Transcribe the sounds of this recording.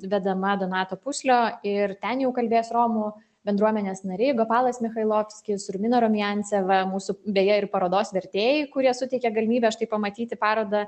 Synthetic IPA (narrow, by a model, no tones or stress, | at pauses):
ʋʲɛd̪ɐmɐd̪onɑːt̪oːpʊsʲlʲoːɪɾt̪ʲɛnjɛʊkɐlʲbʲeːjsɾoːmʊ | bʲɛnd̪ɾuɔmʲɛnʲeːsnɐɾʲɪːɡopɑːlˠɐsmʲɪxɐɪlˠoːfʲsʲkʲɪsɾʊmʲɪnoːɾomʲɪjɛnʲsʲɛʋɐmuːsʊbʲejɛɪrpɐɾoːd̪oːsʋʲɛɾʲt̪ʲeːjɛɪkʊɾʲiɛsʊt̪ʲɛɪkʲɛɡɐlʲɪmʲiːbʲɛʃt̪ɐɪpɐmɐt̪ʲiːt̪ʲɪpɑːɾoːd̪ɐ